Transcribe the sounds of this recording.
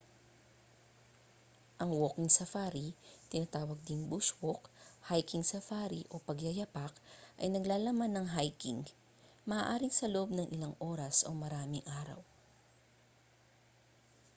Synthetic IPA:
ʔɐŋwokɪŋsɐfaɾit̪ɪnɐt̪aːwɐɡ̚d̪ɪŋbuʃwokhajkiŋsɐfaɾiʔopɐɡjɐjɐpakʔɐ̰jnɐɡlaːlɐmanːɐŋɦajkiŋ | mɐʔaːʔaːɾɪŋsɐloʔob̚nɐŋʔɪlaŋʔoːɾɐsʔomɐɾaːmɪŋʔaːɾɐ̰w

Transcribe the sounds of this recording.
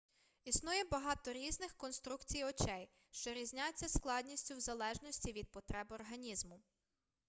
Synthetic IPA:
isnujɛbɐɦɑt̪ɔɾʲiznɪxkɔnst̪ɾukt͡sʲijɔt͡ʃɛj | ʃt͡ʃɔɾʲizʲnʲajt͡sʲːɐsklˠɑd̪ʲnʲisʲtʲʊwzɐlˠɛʒnɔsʲtʲiʋʲid̪̚pɔt̪ɾɛbɔrɦɐnʲizmʊ

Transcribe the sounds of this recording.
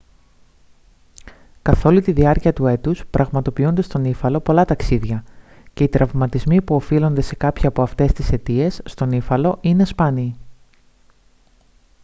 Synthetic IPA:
kɐθo̞lut̪iðiɐɾciɐt̪ue̞t̪uspɾʔɐɣmɐt̪o̞piund̪e̞st̪o̞nifɐlo̞po̞lɐt̪ɐksiðʝɐ | ce̞it̪ɾʔɐvmɐt̪izmipuo̞filo̞nd̪e̞se̞kɐpçiɐpo̞ɐft̪e̞st̪ise̞t̪ie̞sːt̪o̞nifɐlo̞ʔine̞spɐni

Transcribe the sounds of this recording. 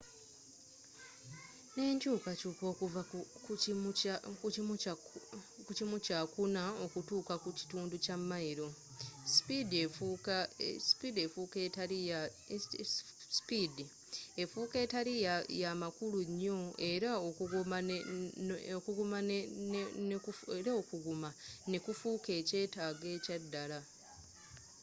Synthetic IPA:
ne̞ːɲt͡ʃuːkat͡ʃuko̞ːkuva | kum | kucimut͡ʃakunaokutuːkakut͡ʃi̥tuːnducamːaiɾo̞ | si̥pideu | spidefuketaɾija | spidi | e̞fuːke̞ːtaɾijajamakuluɲːo̞e̞ɾaokuɡuma | okuɡumannkufeɾaokuɡumane̞kufuːke̞ːce̞ːtaːɡe̞ːcadːala

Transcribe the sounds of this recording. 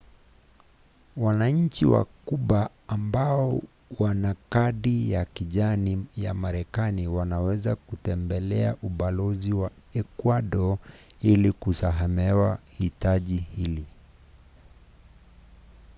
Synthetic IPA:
wanaɲ̩t͡ʃiwa̰kuɓaː | mbaɔ | wanakaɗijakiʄanija̰maɾɛkaniwanawɛzakutɛmbɛlɛaʔuɓalɔziwa | ɛkwaɗɔilikusaɦamɛwahitaʄihili

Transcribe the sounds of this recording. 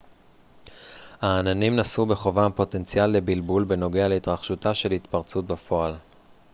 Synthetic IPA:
haːnanimnasube̞χo̞vampo̞te̞nt͡sjalːe̞bilbulbe̞no̞ɡealeitʁaχʃutaʃe̞lhitpaʁt͡sut̚bafo̞al

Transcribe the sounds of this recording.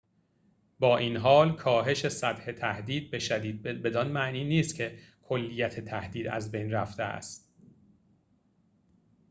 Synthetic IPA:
bɒːʔiːnɦɒːlkʰɒːɦe̞ʃe̞sæb̪he̞t̪ʰæhd̪iːd̪̚be̞ʃæd̪iːd̪̚be̞d̪ɒnmæʔniːniːst̪̚cʰe̞kʰo̞lːijæt̪ʰet̪ʰæhd̪iːd̪æ̰zbejnræft̪eæ̰st̪

